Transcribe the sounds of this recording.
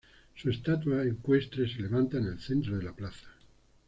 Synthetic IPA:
suest̪at̪waeŋkwe̞st̪ɾese̞le̞βant̪anelθent̪ɾoð̞e̞laplaθḁ

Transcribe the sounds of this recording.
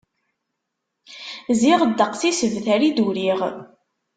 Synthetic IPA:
ziʁəd̪ːəqθisəvθæɾid̪uɾiʁ

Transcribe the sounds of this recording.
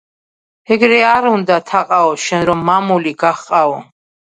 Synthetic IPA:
ɛɡɾɛaɾund̪at̪ʰaqʼaɔʃɛnɾɔmːamuliɡaχqʼaɔ

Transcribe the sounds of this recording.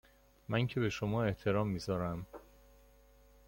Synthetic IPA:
mæŋcʰe̞be̞ʃomɒːe̞ht̪ʰeɾɒːmːiːzɒːɾæm

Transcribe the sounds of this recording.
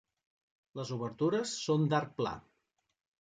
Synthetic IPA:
ləzuβəɾt̪uɾəsːond̪aɾk̚pla̰

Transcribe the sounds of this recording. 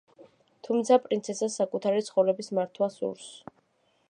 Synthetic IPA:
t̪ʰumt̪sʰapʼɾint̪sʰɛsasːakʼut̪ʰaɾit̪sʰχɔvɾɛbismaɾt̪ʰwasṵɾs

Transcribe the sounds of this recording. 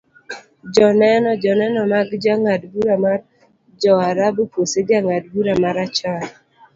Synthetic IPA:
d͡ʒɔnɛnɔd͡ʒɔnɛnɔmaɡd͡ʒaŋadbuɾamar | d͡ʒɔaɾaboposed͡ʒaŋadbuɾamaɾat͡ʃal

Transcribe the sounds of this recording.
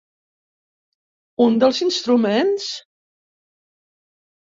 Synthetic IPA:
und̪əlˠzinst̪ɾumens

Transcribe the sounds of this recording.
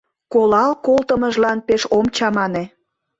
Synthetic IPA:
kolɑlkolt̪əməʒlɑnpeʃomt͡ɕɑmɑne

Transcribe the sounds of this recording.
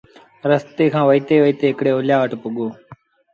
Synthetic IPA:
ɾəst̪eːkʰãːʋəiːt̪eːʋəiːt̪eːɪkɽeːoːljaːʋəʈpʊɠoː

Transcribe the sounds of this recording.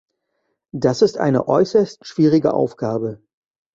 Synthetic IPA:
d̥asɪstʔa̰ɪnə̰ʔɔ̰ʏsɐstʃv̥iːʁɪɡə̰ʔa̰ʊfɡ̥aːbə

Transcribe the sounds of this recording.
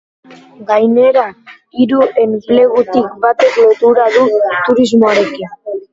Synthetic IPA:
ɡajneɾa | iɾuenɡileɣut̪ik̚bat̪e̞klot̪uɾaðut̪uɾizmoaɾe̞kin

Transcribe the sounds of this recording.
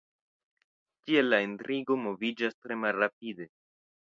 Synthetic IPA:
kie̞lːaintɾiɡo̞mo̞vid͡ʒastɾe̞malɾap̚ide̞

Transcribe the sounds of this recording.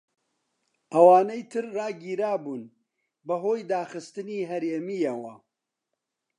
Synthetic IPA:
ʔɐwaːnɐjt̪ʰɨɾːaːɡiːɾaːbuːn | bɐɦoːjd̪aːxɨst̪ɨniːɦɐɾeːmijɐwɐ

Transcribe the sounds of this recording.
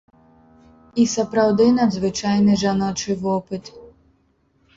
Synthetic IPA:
isɐpɾɐwd̪ɪnɐd̪zʋɪt͡ʃɑjnɪʒɐnɔt͡ʃɪʋɔpɪt̪

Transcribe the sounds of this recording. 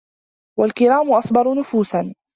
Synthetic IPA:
walkɪɾaːmʊʔɑsˤbɑɾˤʊnʊfuːsan

